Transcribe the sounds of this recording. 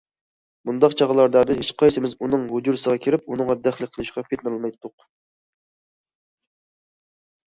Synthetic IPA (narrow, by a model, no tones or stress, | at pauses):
mund̪ɑqt͡ʃʰɑʁlˠɑɾd̪ɑd̪ɨet͡ʃqʰɑjsɪmɪzunɨŋɦʊd͡ʒuɾsəʁɑkʲʰiɾɪpunɨŋʁɑd̪æχlˠɨk̚ʲqʰəlˠɨʃqɑpʰet̪nɨlˠmɑjt̪ʰːʊq